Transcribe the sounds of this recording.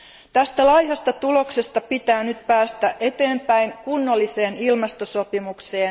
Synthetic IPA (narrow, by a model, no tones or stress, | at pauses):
t̪æst̪ælɑjhɑst̪ɑt̪ulo̞kse̞st̪ɑpit̪æːnyt̪̚pæːst̪æʔe̞t̪e̞ːmpæjŋkunːolːise̞ːnilmɑst̪oso̞pimukse̞ːn